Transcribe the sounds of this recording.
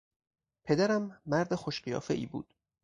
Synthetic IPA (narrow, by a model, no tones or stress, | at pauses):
pʰe̞d̪æɾæmːæɾd̪exoʃɢijɒ̰ːfeʔḭːbṵːd̪̥